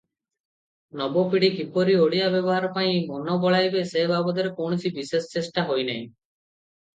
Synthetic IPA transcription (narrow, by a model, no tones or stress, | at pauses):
nɔbopiɽikipoɾioɽijabjɔbɔɦaɾɔpaĩmɔnɔbɔɭajbesebabɔd̪ɔɾekowɳɔt͡ʃʰibisest͡ʃesʈaɦojnaj̃